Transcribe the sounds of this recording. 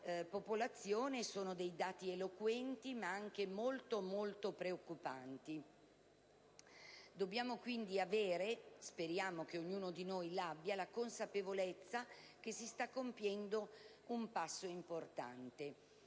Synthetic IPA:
popolat̪sːjoːnesoːnod̪ejd̪aːt̪ielokwɛnt̪imaaŋk̟emolt̪omolt̪opɾeokːupant̪i | d̪objaːmokwind̪iaveːɾespeɾjaːmokeoɲːuːnod̪inojlabːjalakonsapevolet̪sːakesist̪akːompjɛnd̪o | umpasːoimport̪a̰nt̪e

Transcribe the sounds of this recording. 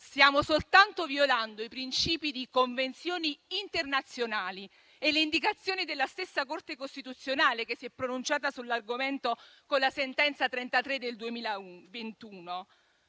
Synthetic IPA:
st̪jaːmosolt̪ant̪ovjoland̪oipɾint͡ʃiːpid̪ikoɱvent̪sjoːniːnt̪ernat̪sjonaːli | elːeind̪ikat̪sːjoːnid̪elːast̪esːakort̪ekost̪it̪ut̪sːjonaːlekesːiɛpːɾonunt͡ʃaːt̪asulːarɡoment̪o | konlasent̪ɛnt̪sat̪ɾɛnt̪at̪ɾed̪ːeld̪uemiːlauvent̪uːno

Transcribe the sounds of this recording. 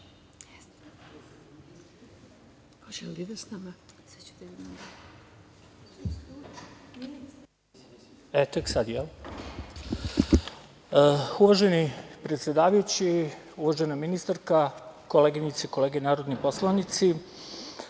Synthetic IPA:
ʒeliʋsnama | et̪aksad̪jɛl | uʋaʒenipɾet̪sjed̪aːʋajut͡ɕiuʋaʒenaminist̪aɾkakoleɡinit̪seko̞leːɡenaːɾod̪niposlˠaʋnit̪si

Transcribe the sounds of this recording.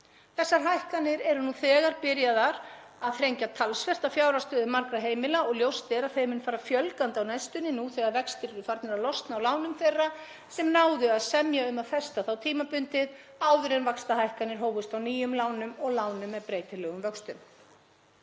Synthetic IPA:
θɛsːaɾ̥ɦajhkanːɪɾɛɾʏnuθɛːɣaɾpɪɾjaðaɾ | aðθɾejɲcat̪ʰalsfɛr̥t̪afjaːwɾast̪œːðɪmaɾkɾaɦeːjmɪlaɔɣljowst̪ɛɾaðθejmɪnfaːɾafjœlkant̪awnajst̪ʏnːɪnuθɛːɣaɾvɛkst̪ɪɾɛɾʏfaɾt̪nɛɾalɔst̪nawlaːwnʏmθejrːa | sɛmnaːwðʏaðsɛmjaʏmaðfɛst̪aθawt̪ʰiːmapʏnt̪ɪðaːwðʏɾɛnvakst̪aɦajhkanɪɾ̥ɦoːwvʏst̪fawniːjʏmlaːwnʏmɔɣlawnʏmːɛðpɾeːjt̪ɪlɛːɣʏmvœkst̪ʏm

